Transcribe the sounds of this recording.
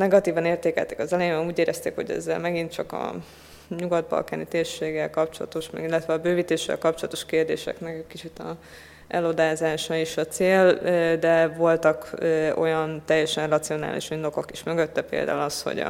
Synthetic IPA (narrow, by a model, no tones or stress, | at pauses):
nɛɡɒt̪iːvɒneːrt̪eːkɛ̰lt̪ɛ̥kɒzɛlɛjebɛuːɟeːɾʔɛst̪ḛːkho̞̰ɟɛ̰zːɛ̰lmɛɡint̪t͡ʃɒkɒ̰ | ɲuɡɒd̪̚bɒ̰lkaːnit̪eːrʃeːɡːɛlkɒp̚t͡ʃo̞lɒ̰t̪o̞ʃmɛɡilːɛt̪ʋɛɒbøːvit̪eːʃːɛ̰lkɒp̚t͡ʃo̞lɒt̪o̞ʃkeːrd̪ḛːʃɛ̰knɛkɛkit͡ʃit̪ɒ | ɛlo̞d̪aːzaːʃɒiʃɒt̪seːld̪ɛvo̞lt̪ɒkøo̞jɒnt̪ɛjːɛʃɛnrɒt̪sio̞na̰ːlʔḭʃind̪o̞ko̞kiʃmø̞ɡø̞t̪ːɛpḛːld̪a̰ːulɒsho̰ɟ̰